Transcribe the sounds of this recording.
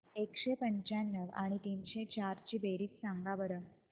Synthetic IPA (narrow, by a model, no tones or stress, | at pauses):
ekɕepəɲt͡ɕanːəʋa̰ɽ̃it̪iːnɕet͡ɕaɾt͡ɕiːbeɾiːt͡ssaŋɡaʋəɾə